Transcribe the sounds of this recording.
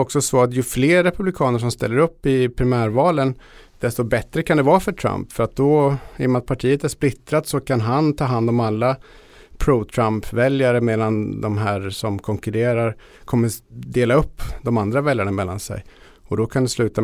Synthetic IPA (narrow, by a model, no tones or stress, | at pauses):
ɔksɔsɔat̪jɵfleːɾːɛpɵblɪkʰɑːnəʂ̬ɔmst̪ɛlːəɾɵpːɪpʰɾɪmæːɾvɑːlən | d̪̥ɛst̪ɔbɛt̪ɾəkʰand̪ɛvɑːfœʈʰɾa̰mpfœɾat̪̚d̪ɔɛmɛnat̪̚pʰaʈʰiːət̪æʂplɪt̪ɾat̪sɔkʰanɦant̪ʰɑːɦand̪ɔmalːa | pʰɾut̪ʰɾampvɛljaɾəmeːd̪and̪ɔmɦæːɾʂɔmkʰɔŋkɵɾeːɾaɾ | kʰɔmːəd̪eːlaɵpːd̪ɔmand̪ɾavɛljaɳamɛlːa̰nsɛ̰j | ɔd̪ɔkʰand̪ɛslʉ̟ːt̪a